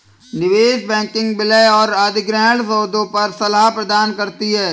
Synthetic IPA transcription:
nɪʋeːʃbɛ̃ːkɪ̃ŋɡbɪləjɔːɾaːd̪ɪɡɾɛːɭsəːd̪õpɐɾsɐlapɾɐd̪aːnkɐɾt̪iɦɛː

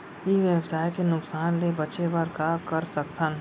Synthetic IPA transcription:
jeʋjɐbsaːjkenʊksaːnlebɐt͡ʃebaɾkakɐɾsɐk̚t̪ʰən

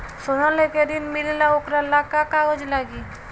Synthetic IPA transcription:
sonaleked̪inmillaokɾalakakaod͡ʒlaɡi

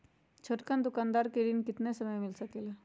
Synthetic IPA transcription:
t͡ʃʰoʈkand̪ʊkaːnd̪aːɾkeɾinkɪt̪nesəməjmɪlsəkele

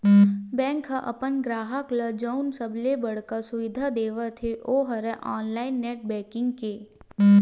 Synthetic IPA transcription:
bɛ̃ːŋkɦaʔɐ̰pənɡɾaːɦəkləd͡ʒɐʊnsəblebəɽ̤kasʊʋɪd̪ʱad̪eːʋət̪ʰeʔoːɦɐɾɛʔaːnlaːɪnːɛːʈ̚bɛ̃ːkɪ̃ŋɡkeː

